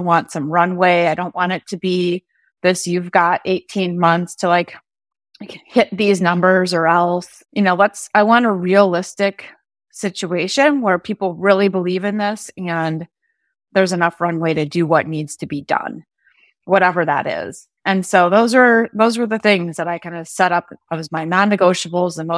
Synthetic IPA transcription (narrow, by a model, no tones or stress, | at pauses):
wɑ̃ntsʌ̃mɹʌ̃nweɪaɪɾõʊ̃nʔwɑ̃ɾ̃ɨtʰɨbi | ðɪsjʉvɡɑɾʔeɪtʰĩnmʌ̃nθstʰəlaɪk | hɪt̪̚ðiznʌ̃mbə˞zə˞ɛlˠs | jɨnoʊlətsaɪwɑ̃ñəɹiəlɪstɪk | sɪt͡ʃueɪʃɨ̃nwə˞pʰipl̩ˠɹɪlˠibəlivɨ̃nðɪsɨ̃n | ðə˞zɨnʌfɹʌ̃nweɪɾɨdɨwʌtⁿnidz̥tʰɨbidʌ̰̃n | wʌɾɛvə˞ðə̰ɾɪ̰z̥ | ʔɨ̃nsoʊðoʊzə˞ðoʊzwə˞ðɨθɪ̃ŋzðəɾaɪkʰãɪ̃ndɨ̥sɛɾʌpat̚wʌzmaɪnɑ̃nːɨɡoʊʃəbl̩ˠzə̃no